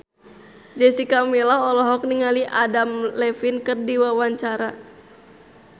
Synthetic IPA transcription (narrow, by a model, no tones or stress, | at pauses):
d͡ʒɛsikamilaɔlɔɦɔk̚niŋaliʔadamlɛfinkərdiwawaɲt͡ʃaɾa